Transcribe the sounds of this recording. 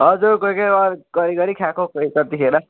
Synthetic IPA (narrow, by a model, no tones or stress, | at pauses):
ɦʌd͡zuɾkʌjkʌaɾɡʌɾiɡʌɾikʰakʰokʌkʌt̪ikʰeɾnʌ